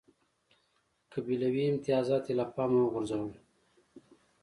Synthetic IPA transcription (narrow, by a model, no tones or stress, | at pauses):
kabilawiɪmt̪ɪjɑːzɑt̪elapɑːmuwəɣʊɾzawəl